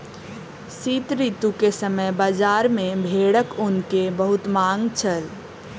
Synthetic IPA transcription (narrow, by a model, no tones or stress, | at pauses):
siːt̪ɾit̪ukesəməjbaːd͡ʒaːɾmẽbʱeːɽəkʊnkebəɦʊt̪mãːŋɡt͡ʃʰəl